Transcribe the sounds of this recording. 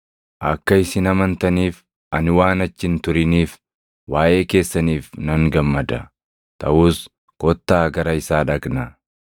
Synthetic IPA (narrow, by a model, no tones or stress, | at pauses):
ʔɐkːɐɪsɪnɐmɐnt̪ɐniːf | ʔɐnɪwaːnɐt͡ʃːɪnt̪ʊɾɪniːf | waːʔe̞ːke̞ːsːɐniːfnɐŋɡɐmːɐd̪ɐ | t̪ʰɐʔuːs | kɔt̪ːaːɡɐɾɐɪsaːᶑɐkʼnɐ